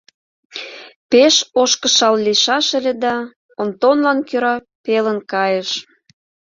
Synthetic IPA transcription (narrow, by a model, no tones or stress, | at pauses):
peʃoʃkə̆ʃɑlliʃɑʃə̆lʲed̪ɑ | ont̪onlɑnkøɾɑ | pelənkɑjəʃ